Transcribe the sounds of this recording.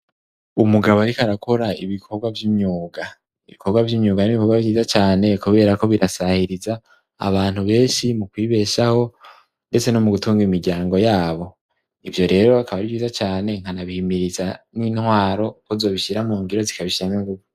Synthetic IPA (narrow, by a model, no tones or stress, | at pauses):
umuɡaβoaɾikaɾakʰo̞ɾaiβikʰo̞ɾɡwavjimɲuːɡa | iβikʰo̞ɾɡwavjimɲuːɡaniβikoɡwaviːzat͡ʃaːne̞kuβe̞ːɾako̞βiɾʔasahiɾiza̰ː | βaːn̥huβe̞ːnʃimukwiːβe̞ʃaho̞ | nde̞t͡se̞no̞muɡutuːŋɡimiɾɟaːŋɡo̞jaːβo̞ | ivjo̞ɾe̞ːɾoakaβaɾiviːzat͡ʃaːne̞ŋ̥hanaβihimiɾizaninhwaːɾo̞kozo̞ːβiʃiɾamuːŋɡiɾo̞zikaβiʃiɾamiŋɡuβu